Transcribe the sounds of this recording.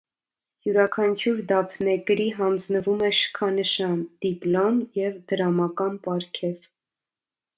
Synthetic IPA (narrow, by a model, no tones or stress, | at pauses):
juɾɑkʰɑnt͡ʃʰuɾd̪ɑpʰnɛkɾiɦɑnd͡znəvumɛʃə̥kʰɑnəʃɑnd̪̥iplɔnjɛvd̪əɾɑmɑkɑnpɑɾkʰɛv